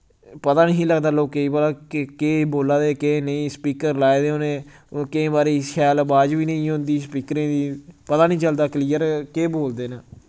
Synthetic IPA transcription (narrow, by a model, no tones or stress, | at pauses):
pət̪aːnĩːləɡd̪aːloːkːeiːbəlaːkkeːboːlaːd̪eːkenəĩːspiːkəɾlaːed̪eːonẽː | kɪẽːbaːɾeːɪskʰjaːlbaːd͡ʒʋiːnə̃ĩːɦʊ̃nd̪iːspiːkɾẽːd̪iːpət̪aːnĩːt͡ʃəld̪aːkliːəɾkeːboːld̪eːnəː